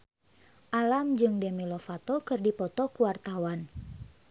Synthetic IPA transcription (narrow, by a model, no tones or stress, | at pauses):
ʔalamd͡ʒɨŋdemilofat̪okɨrdipɔt̪ɔkuwart̪awan